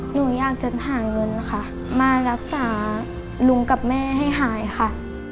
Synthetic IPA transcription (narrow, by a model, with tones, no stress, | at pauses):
nuː˧˩˦jaː˧˩k̚t͡ɕa˨˧˩aː˨˩˦ŋɤ˧nla˧xʰa˧˩ | maː˧ɾa˦˥k̚saː˩˦ | lu˧˥ŋka˨˩p̚mɛː˥˩ha˥˩jɦaː˩˦jxa˧˩